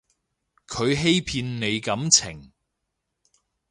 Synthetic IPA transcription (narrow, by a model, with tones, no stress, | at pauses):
kʰɵ˨˧ɥɦe˥jpʰiː˧nːe˨˧jkɐ˨˥mt͡sʰɪ̰˨˩ŋ